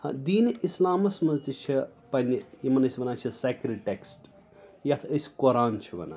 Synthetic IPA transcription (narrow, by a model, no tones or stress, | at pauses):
d̪iːnislaːmɐsmɐzd̪it͡ʃʰipɐnʲjimɐnɐsʲiʋɐnaːt͡ʃʰɐsɐkɾiʈeksʈ | jɐt̪ʰəsʲi̥koɾaːnt͡ʃʰiʋɐ̰na̰ː